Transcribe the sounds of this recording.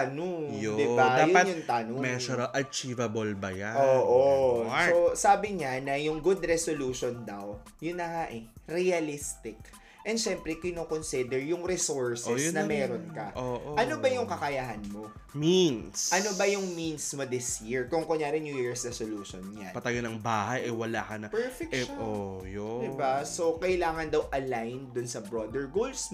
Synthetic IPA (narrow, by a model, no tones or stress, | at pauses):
anoŋŋjd̪ɪbad̪ajonɐjʊŋt̪anomɛoɾɐʔɐt͡ʃivɐbolbɐjaoːʔososaːbɪɲanɐjʊŋɡʊd̪ɾɛsoluːʃond̪ɐw | jʊnːɐŋaʔɛɾɛɐlist̪ɪk | ʔɛnd̪ʃɛmpɾɛkɪnoːkonsid̪ɛɹjʊŋɾɛsoɹsɛsjnɐmɛːɾonkɐʔoʔʔɐnobɐjʊŋkɐkɐjaɦɐnmo̞ | minsʔɐnobɐjʊŋminsmod̪ɪsjiɹkʊŋkʊɲjaːɾɪnjujiːɹsɹɛsoluːʃonɲa̰npɐt̪aɡɐnɐŋbaːɦɐjʔɐjwɐlaːkɐnɐpɛɹfɛk̚ojod̪ɪbaso̞kɐɪlaːŋɐnd̪ɐwʔɐlajnd̪ʊnsɐbɾoːd̪ɛɹɡols